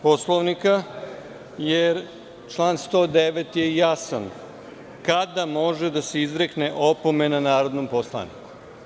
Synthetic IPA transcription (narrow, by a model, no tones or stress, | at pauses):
po̞slˠoʋnika | jeɾ | t͡ʃlˠaːnst̪o̞ːd̪e̞ʋe̞t̪je̞jasan | kad̪amo̞ʒed̪ase̞izɾekneʔo̞pomenanaːɾo̞d̪nomposlˠa̰nḭku̥